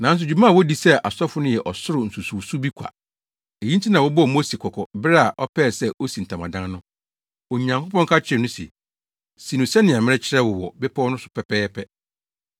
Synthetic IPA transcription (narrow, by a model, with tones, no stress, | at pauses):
nã˨˦n̩˦s̬ʊ˨d͡ʑu˨mã˦˨wo˦di˨sɛ˦ʔa˨sɔ˦fʊ˦nʊ̃˦jɛ˨ʔɔ˨sʊ˦ɾʊ˨n̩˨su˨su˨su˦bi˦kʷʰa̰˨ | e˨jĩ˦n˦tʰi˦nã˨wɔ˦bɔ˦˨mo˦si˨kʰɔ˨kʰɔ˨bɾɛ˦a˨ʔɔ˦pʰɛː˦˨sɛ˦ʔo˦si˨n̩˨tʰã˨mã̰˨dã˦nnʊ̃˦ | o˨ɲã˨ŋko˦pɔ̃˦ŋkʰa˦t͡ɕʰɪ˨˦ɛ˨nʊ̃˦si˨ɛ˨ | si˨nʊ̃˨sɛ˦nɪ̃˨ã˨mɪ̃˦ɛ˦t͡ɕʰɪ˦ɾɛ˦wʊ˨wɔ˨bɛ˦pʰɔ˦nʊ̃˦sʊ̥˨pʰɛ˨pʰɛː˦pʰɛ˦